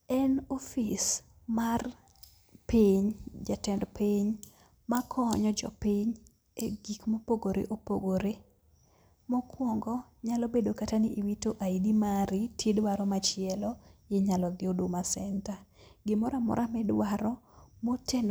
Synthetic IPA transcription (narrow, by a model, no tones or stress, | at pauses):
ɛnofis | mar | piɲd͡ʒatɛndpiɲ | makʰɔɲɔd͡ʒɔ̰piɲ | eɡikmopoɡoɾḛʔopo̰ɡoɾe | mɔkwɔŋɡɔ | ɲalɔbedokatanɪʔiwitoʔaidimaɾɪtjedwaɾɔmat͡ʃɪɛlɔjɪɲalɔd̪ɪodomasɛntaɡɪmɔɾamɔ̰ɾʔamɛdwaɾɔmoten